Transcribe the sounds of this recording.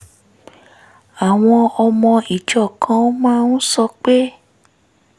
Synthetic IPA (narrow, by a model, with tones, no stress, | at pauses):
a˨w̃ɔ̃˧ɔ˧mɔ̃˧i˨d͡ʒɔ˨kʰã˨˦mãː˦nũ˦sɔ˧k͡pe˦